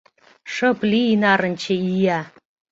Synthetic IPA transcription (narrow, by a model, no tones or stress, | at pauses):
ʂɤ̆plinɑɾə̆nʲt͡ɕʰə̆ijæ